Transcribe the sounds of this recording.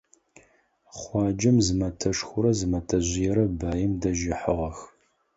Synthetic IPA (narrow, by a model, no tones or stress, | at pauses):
χʷɑːd͡ʒɪmzɨmɐtʰɐʂxʷʊɾɐzɨmɐtʰɐʑʷɪjɛɾɐbaːjɪmdɐʒɪħəʁɐx